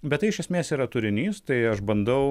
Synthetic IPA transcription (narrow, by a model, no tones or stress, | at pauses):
bʲɛt̪t̪ːɐɪɪʃʲɛsʲmʲeːsiːɾɐt̪ʊɾʲɪnʲiːst̪ɐɪɐʃbɐnd̪ɐʊ